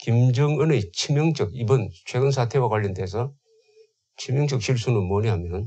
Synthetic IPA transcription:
kimd͡ʑʌŋɯnet͡ɕʰimjʌŋd͡ʑʌɡibʌnt͡ɕʰweɡɯnsʰatʰe̞wakwaʎːʌndeːsʰʌ | t͡ɕʰimjʌŋd͡ʑʌk̚ɕʰiɭs̬͈unɯmʌɾiɦamjʌn

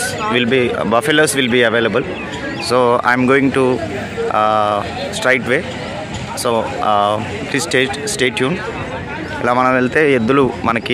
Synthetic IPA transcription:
ʋilbibɐfelosʋilbiɐʋeːlɐbəl | soːa̰jmɡoːĩŋɡʈu | sʈɾeɪʈʋeː | soː | pliːsʈeːd͡ʒsʈeːʈjuːn | ɛlːamɐɳɐd̪ɐlt̪eed̪ɐlumɐnɐkːi

